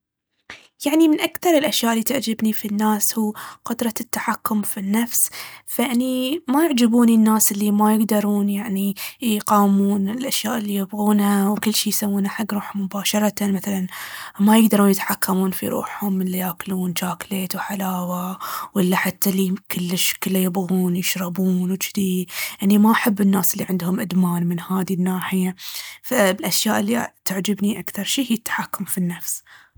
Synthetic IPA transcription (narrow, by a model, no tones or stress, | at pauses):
jaʕnimɪnʔakθɑɾˤɪlʔaʃjaːʔɪlːiːt̪ɪʕd͡ʒɪbnifinːaːshuːqʊd̪ɾˤɑt̪ːḁħakːʊmfinːafsfaʔanimajɪʕd͡ʒabuːninːaːsʔɪlːimajɪɡd̪ɑɾˤuːnjaʕnijqɑːmuːnɪlʔaʃjaːʔɪlːijɪbɣuːnhawkɪlːʃiːjsawːuːnaħaɡːɾuːħʊmːʊbaːʃɑɾˤɑt̪amaθalanmajɪɡd̪ɑɾˤuːnjɪt̪ħakʰːamuːnfḭɾʔṵːħhʊmːɪlːajaːkluːnt͡ʃaːkleːt̪wħalaːwawʔɪlːaħat̪ːalikʊlːɪʃkɪlːajɪbɣuːnjɪʃɾˤɑbuːnwd͡ʒd̪iːd̪ʔanːimaʔaħabːɪnːaːsɪlːiʕɪnd̪hʊmʔad̪maːnmɪnhaːðinːaːħɪjafalʔaʃjaːʔɪlːit̪aʕd͡ʒɪbniʔakθɑɾˤʃiːhijɪt̪ːḁħakːʊmfinːafs